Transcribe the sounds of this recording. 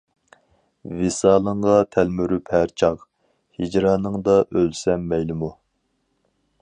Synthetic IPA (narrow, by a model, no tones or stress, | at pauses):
vesɑːlˠəɴʁɑt̪ʰælmyɾyphæɾt͡ʃʰɑχ | hid͡ʒɾɑːnɨŋd̪ɑʔølsɛmːɛjlɪmu